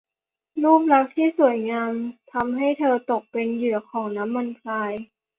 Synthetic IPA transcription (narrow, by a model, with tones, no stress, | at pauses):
luː˥˩p̬̚la˦˥k̚t̪ʰiː˥˩su˨˩ə˦jŋaː˧mt̪ʰa˧mɦa˥˩jt̪ʰɤː˧t̪o˨˩k̚pe˧njɯ˧˩ɐkʰɔː˩˦ŋna˦˥mːa˧nkʰlaː˧j